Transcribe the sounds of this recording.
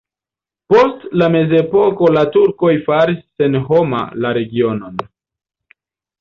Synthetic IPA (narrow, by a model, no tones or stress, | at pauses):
po̞stlame̞ze̞po̞ko̞latuɾko̞jfaɾisːe̞nɦo̞ma̰laɾe̞ɡio̞no̞n